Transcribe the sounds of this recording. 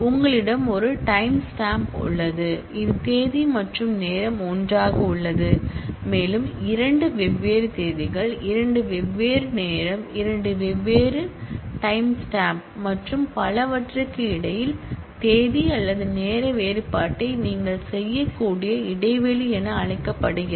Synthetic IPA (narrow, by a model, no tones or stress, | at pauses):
ʊŋɡɐɭɪɽɐmɔɾɯʈɐɪmsʈaːmpʊ̰ɭːɐðɯ | ɪðɯt̪eːðimɐʈrɯmneːɾɐmɔndraːɣɐʊɭːɐðɯmeːlɯmɪɾɐɳɖɯʋɛʋːeːɾɯt̪eːðɪɣɐɭɪɾɐɳɖɯʋɛʋːeːɾɯneːɾɐmɪɾɐɳɖɯʋɛʋːeːɾɯʈɐɪmsʈaːmp̚mɐʈrɯmpɐlɐʋɐʈrɯkːɯɪɽɐjɪl | t̪eːðiɐlːɐðɯneːɾɐʋeːɾɯpːaːʈːɐɪniːŋɡɐɭsɛjːɐkːuːɽɪjɐɪɽɐɪʋɛliɛnɐːɻɐɪkːɐpːɐɽɯɣɪ